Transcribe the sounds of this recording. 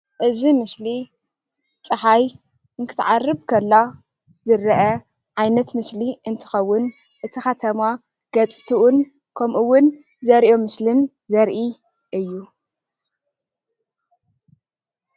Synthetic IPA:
ʔɨzimɨsli | t͡sʼɨħaj | ʔɨnk̪ʰɨt̪ʰʕarːɨbkʰɐlːa | z̥ɨɾɐʔɐ | ʕajnɐt̪mɨsliʔɨnt̪ʰɨ̥xɐwːʊn | ʔɨt̪ʰixɐt̪ʰɐma | ɡ̥ɐt͡sʼt̪ʰiʔʊn | kʰɐmʔɨwːʊn | zɐɾʔomɨslɨn | zɐɾʔi | ʔɨjːu

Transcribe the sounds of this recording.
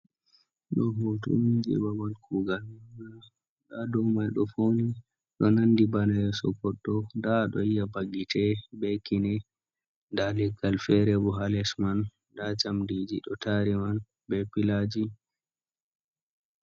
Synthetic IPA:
ɗɔɦotṵmid͡ʒɛ̰babankʰuːɡalana | ɗadɔwmajɗɔfoni | ɗɔnandibanajɛsɔkɔɗːɔdaɗɔ̰ijabaɡitʰɛbɛkinɛ | ndalɛɡalfɛɾɛbɔɦalɛsman | dat͡ʃamdid͡ʒiɗɔtaɾiman | bɛpilad͡ʒi

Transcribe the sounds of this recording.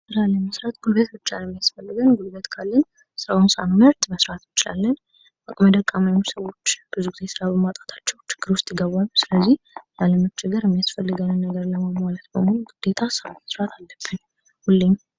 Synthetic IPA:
sɨɾalːənməsɾat̪ɡ̥ulbət̪bɨt͡ʃːalɛmːijasfəlːɨɡənɡulbət̪kʰalːən | sɨɾawunsa̰mːɨɾt̪məsɾat̪jɪt͡ʃɪla̰lːən | ʔakʼməd̪əkʼːamausəwo̞t͡ʃːb̥ɨzuɡɪze̞sɨɾabəmat̪ʼḁt̪ʰḁt͡ʃːɛwt͡ʃɪ̥ɡ̥ːɨɾwʊst̪ʼjɪɡəβalusɨləzːih | jaləmɨt͡ʃːɪɡɨɾɛmːijasfəlːɨɡənɨnːəɡəɾləmamwalət̪bəmoluɡɨd̪̥e̞t̪ʰasɨɾamməsɾat̪ʰalːəb̥ːɨn | hulːeɲ

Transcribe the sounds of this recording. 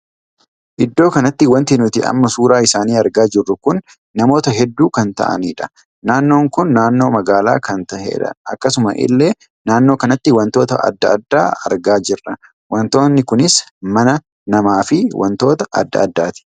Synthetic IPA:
ʔɪd̪ːo̞ːkɐnɐt̪ːɪwɐnt̪ɪnʊt̪ɪɐ̰mːɐsuːɾaːɪsaːniːɐɾɡaːd͡ʒɪrːʊkʊnː | ɐmo̞ːt̪ɐɦɛd̪ːuːkɐnt̪ɐ̰ʔɐ̰niːᶑɐ̥ | naːnːo̞ːŋkʊnːaːnːo̞ːmɐɡaːla̰ːkɐnt̪ɐhḛːᶑɐ̰ɐ̰kːɐsʊmɐ̰ʔɪ̰lːeː | naːnːo̞ːkɐnɐt̪ːɪwɐnt̪o̞ːt̪ɐ̰ʔɐ̰d̪ːɐɐd̪ːa̰ːɐ̰ɾɡaːd͡ʒɪrːɐ | wɐnt̪o̞ːnːɪkʊnɪsmɐnɐ | nɐmaːfɪwʔɐ̰nt̪o̞ːt̪ɐʔɐ̰d̪ːɐ̰ɐd̪ːaːt̪ɪ̥

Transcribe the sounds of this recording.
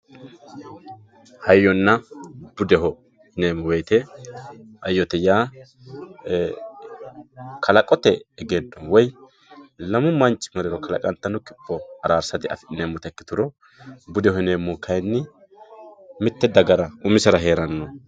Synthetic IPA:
hɐjːɔnːɐb̥ʊd̪ɛɦɔ | neːmɔwɛːt̪ɛ | ʔɐjːɔt̪ɛjaː | kʰɐlɐkʼɔt̪ɛːɡenːɔwɔj | lɐmʊmɐnt͡ʃʼːɪ̥mɐɾɛɾɔkɐlɐ̰kʼɐnt̪ːɐnʊkɪpːɔɐɾaːɾsɐt̪ɪɐ̰fɪneːmːɔt̪ɛkːɪ̥t̪ʊɾɔ | bʊd̪ɛhɛneːmːɔkʰɐjnːɪ | mɪt̪ːɛd̪ɐɡɐɾɐʔʊmɪsɛɾɐɦe̞ːɾɐnːɔ

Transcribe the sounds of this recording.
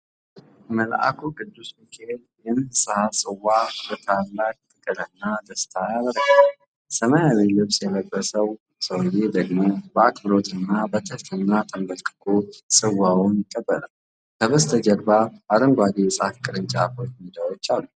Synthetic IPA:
məlʔa̰kʰuɡɨd̪ːusmikʰeed̪ | jɛnɨsɨhasʼɨwːabət̪ʰalːak̚t̪ʼɨkʼɨɾənːad̪əst̪ʰajaβəɾəɡal | səmajaβelɨβsjɛləbʼːəsəw | səwjed̪əɡmo̞bəakbɨɾo̞t̪ʰʼɨnːabət̪ʰəft̪ʰɨnːat̪ʼəmbəlkʼɨ̥kʰosʼɨwːawunɪkʼːəbːələl | k̪ʰəβəst̪ʰəd͡ʒəɾbabaɾəŋɡʷad̪esʼafkʼɨɾɨnt͡ʃʼaafot͡ʃːmid̪awot͡ʃːalːu

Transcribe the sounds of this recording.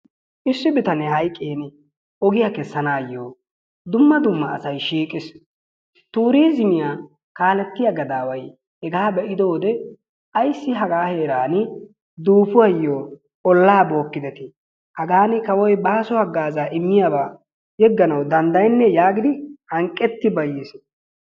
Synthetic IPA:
ʔɪsːɪbɪt̪ɐnɛɦɐjkʼːeːn | ɔɡɪjakɛsːɐnaːjːoː | d̪ʊmːɐd̪ʊmːɐːsɐjʃiːkʼɪs | t̪uːɾiːzɪmɪja | kaːlɛt̪ːɪjaɡɐd̪aːwɐj | hɛɡaːbɛʔɪd̪o̞ːd̪ɛ | ʔɐjsːɪɦɐɡaːhe̞ːɾaːn | d̪uːpʊwɐjːoː | ɔlːaːbo̞ːkːɪd̪ɛt̪ɪ | hɐɡaːnɪkɐwɔjbaːsʊhɐɡːaːzaːʔɪmːɪjabaː | hɛɡːɐnɐwd̪ɐnd̪ɐjnːɛjaːɡɪd̪ɪhɐŋkʼːɛt̪ːɪbɐjɪs

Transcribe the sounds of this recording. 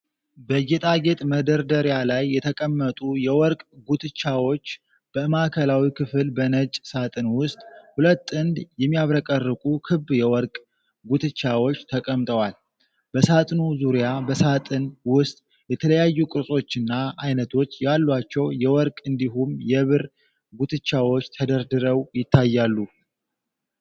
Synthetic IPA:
bəd͡ʒet̪ʼaɡe̞t̪ʼməd̪əɾd̪əɾjalajːɛt̪ʰəkʼəmːət̪ʼujɛwɔɾkʼɡut̪ʰɨt͡ʃːawo̞t͡ʃː | b̥əmakʰəlawikʰɨfɨlbənət͡ʃʼsat̪ʼɨnwʊst̪ʼhulət̪ʼːɨnd̪jɛmːijaβɾəkʼərːɨkʼukʰɨbjɛwɔɾkʼ | ɡut̪ʰɨt͡ʃːawo̞t͡ʃːt̪ʰəkʼəmt̪ʼəwal | b̥əsat̪ʼnuzuɾjabəsat̪ʼɨnwʊst̪ʼ | jɛt̪ʰələjajːukʼɨsʼo̞t͡ʃːɨnːaʔajnət̪ʰo̞t͡ʃːjalːwat͡ʃːɛwjɛwɔɾkʼɨnd̪iɦumjɛβɨɾ | ɡut̪ʰɨt͡ʃːawo̞t͡ʃːt̪ʰəd̪əɾd̪ɨɾəwjɪt̪ːajːalːu

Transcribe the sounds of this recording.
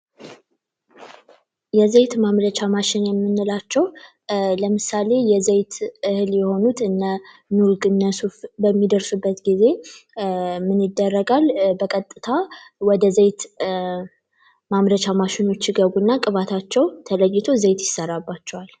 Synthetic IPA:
jɛzejt̪mamɾət͡ʃamaʃɪnjɛmːɨnːɨlat͡ʃːɛw | ləmɨsale̞jɛzejt̪ʔɨhɨljɛho̞nut̪ʰɨnːə | nuɾɡɨnːəsufbəmːid̪əɾsubːət̪ɡize̞ | mɨnɨd̪ːərːəɡalbəkʼət̪ʼːɨt̪ʰawɔd̪əzejt̪ | mamɾət͡ʃamaʃɪno̞t͡ʃːiɡəβunːakʼɨβat̪ʰat͡ʃːɛwt̪ʰələjːɪt̪ʰo̞zejt̪jɪsəɾabːat͡ʃːɛwal

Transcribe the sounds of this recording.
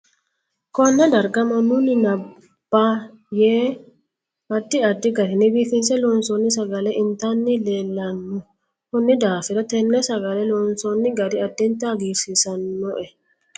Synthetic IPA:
kɔnːɛd̪ɐɾɡɐmɐnʊnɪnɐ | b̥ːa | jeː | ɐd̪ːɪɐd̪ːɪɡɐɾɪnɪbiːfɪnsɛlɔːnsɔnːɪsɐɡɐlɛʔɪnt̪anːɪleːlːɐnːʊ | kʊnːɪd̪aːfɪɾɐt̪ɛnːɛsɐɡɐlɛlɔːnsɔnːɪɡɐd̪ɪɐd̪ːɪnt̪ɐːɡiːɾsɪsɐnːɔʔɛ

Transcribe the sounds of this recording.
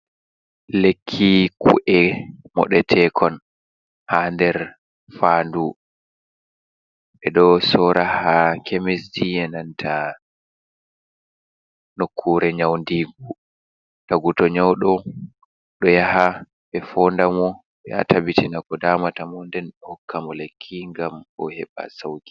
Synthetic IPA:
lekʰːikʰṵʔɛmɔ̰ɗɛtʰɛkʰɔn | handɛɾ | fandu | ɓɛɗɔsɔɾahakʰemesdiɛnantʰa | nokʰːuɾɛɲawndiːɡu | taɡutɔɲawɗɔ | ɗɔjaha | ɓɛfɔndamɔ | ɛa̰tʰabitinakɔdaːmatamɔndɛnhɔkʰːamɔlekʰːiŋɡamɔhɛ̰ɓa̰sawɡi̥

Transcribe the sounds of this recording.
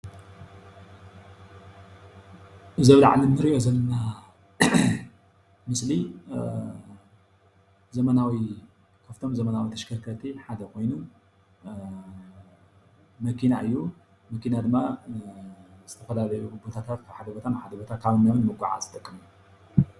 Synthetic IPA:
ʔɨzɐβla̰ʕlinɨɾiʔo̞zɐlːɐna | mɨsli | zɐmɐnawi | kʰaft̪ʰo̞mzɐmɐnawit̪ʰɐʃkʰɐɾkʰɐt̪ʰiħad̪ɐkʰo̞jnu | mɐkʰinaʔɨjːu | mɐkʰinad̪ɨmːa | zɨt̪ʰɐfɐlalɐjuɨbo̞t̪ʰat̪ʰat̪̚kʰaβħad̪ɐbot̪ʰanħad̪ɐbot̪ʰat̚kʰaβɨnːaβɨnɨmɨɡʷʼaʕa̰zɨt̪ʼɐkʼːɨmu

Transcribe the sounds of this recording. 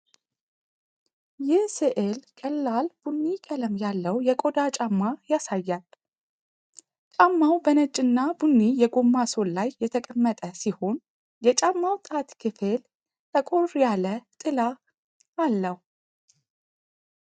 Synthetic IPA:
jɪhsɨʔelkʼəlːalb̥unːikʼələmjalːəwjɛkʼo̞d̪at͡ʃʼamːajasajːal | t͡ʃʼamːawbənət͡ʃʼːɨnːabunːijɛɡo̞mːaso̞llajːɛt̪ʰəkʼəmːət̪ʼəsiho̞n | jɛt͡ʃʼamːawt̪ʼat̪kʰɨfel | t̪ʰʼəkʼo̞rjalət̪ʼɨlaː | lːəhu

